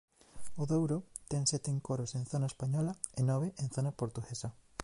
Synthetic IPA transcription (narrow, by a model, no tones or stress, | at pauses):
oðowɾot̪ɛŋsɛt̪eŋkoɾosẽnθonaespaɲɔlɐenɔβeʔẽn̟θonɐpoɾt̪uɣesɐ